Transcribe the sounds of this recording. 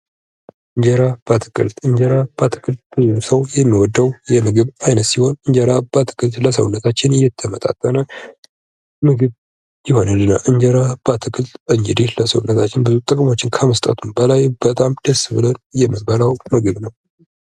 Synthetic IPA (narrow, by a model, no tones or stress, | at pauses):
ʔɨɲd͡ʒəɾab̥at̪ʰɨ̥kʼɨ̰lt̪ɨɲd͡ʒəɾab̥at̪ʰɨ̥kʼɨlt̪̚bɨzumsəwjɛmːiwɔd̪ːəwjɛmɨɡɨβajnət̪siho̞nɨɲd͡ʒəɾab̥ət̪ʰɨ̥kʼɨlt̪ləsə̰wnːət̪ʰat͡ʃːɪnɨjɛt̪ʰːəmət̪ʼa̰t̪ʼːənal | mɨɡɨβ | jɪho̞nalːɨna̰ʔɨɲd͡ʒəɾab̥at̪ʰɨkʼɨlt̪ɨɲd͡ʒɨd̪eləsəwnːət̪ʰat͡ʃːɪnbɨzut̪ʼɨkʼmo̞t͡ʃːɪnkʰəməst̪ʼə̰t̪ʰumbəlajbət̪ʼamd̪̥əsβɨlənjɛməbəlawmɨɡɨβnəw